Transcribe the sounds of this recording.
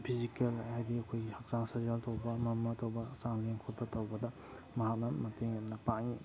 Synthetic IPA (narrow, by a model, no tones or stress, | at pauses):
pʰizikelahajdiɐkʰojɡihak̚zaŋsazaltawbɐmɐmɐtɐwbɐsaŋleŋkʰɔt̚bɐtɐwbɐdɐ | mɐɦak̚nɐmɐteŋɐmnɐpaŋi